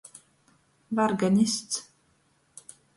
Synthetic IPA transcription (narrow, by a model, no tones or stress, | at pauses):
vaɾɡanɪst̪s